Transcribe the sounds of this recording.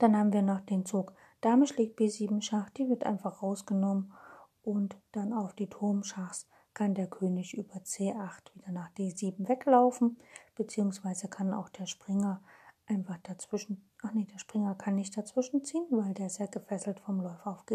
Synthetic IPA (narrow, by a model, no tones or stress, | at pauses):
d̥anhaːbm̩viːɐnɔχd̥eːnt͡suːk | d̥aːmɪʃleːk̚t̚b̥eːziːbm̩ʃaχd̥iːvɪɐtʔa̰ɪnfaχʁaʊsɡ̥ənɔmən | ʔʊntd̥anaʊfd̥iːtʰʊɐmʃaχs | kʰandeːɐkʰøːnɪçʔyːbɐt͡seːʔaχtv̥iːdɐnaːχd̥eːziːbm̩vɛklaʊfn̩b̥ət͡siːʊŋsv̥aɪzəkʰana̰ʊxd̥eːɐʃpʁ̥ɪŋɐʔaɪnfaχd̥at͡sv̥ɪʃn̩ʔaχnid̥eːɐʃpʁ̥ɪŋɐkʰanːɪçt̚d̥at͡sv̥ɪʃn̩t͡siːənvaɪldeːɐzeːɐɡəfɛsl̩tfɔmlɔʏfaʊfɡ̥e